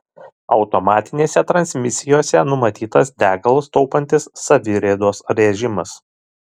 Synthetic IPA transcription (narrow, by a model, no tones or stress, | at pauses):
ɒ̰ʊt̪ɔmɑːt̪ʲɪnʲeːsʲɛt̪ɾɐnʲsʲmʲɪsʲɪjoːsʲɛnʊmɐt̪ʲiːt̪ɐsd̪ʲæːɡɐlˠst̪ɔʊpɐnʲt̪ʲɪsːɐʋʲɪɾʲɛd̪oːsɾʲɛʒʲɪmɐs